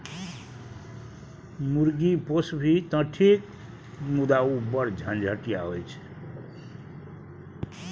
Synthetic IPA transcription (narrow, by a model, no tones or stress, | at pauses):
muɾɡiposbʱit̪ə̃ʈʰik | mud̪aubəɾd͡ʒʱə̃nd͡ʒʱəʈija̰ɦojt͡ʃʰ